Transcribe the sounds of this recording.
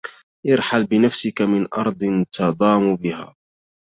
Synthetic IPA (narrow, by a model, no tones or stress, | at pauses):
ʔɑɾˤħalbɪnafsɪkamɪnʔɑ̰ɾˤd̪ˤɨnt̪ʰɑd̪ˤɑːmubɪha̰ː